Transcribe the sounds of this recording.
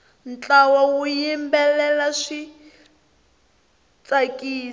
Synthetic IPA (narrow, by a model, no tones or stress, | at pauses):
n̩t͡ɬʼawawujimbɛlɛlaʂi | t͡sakʼiː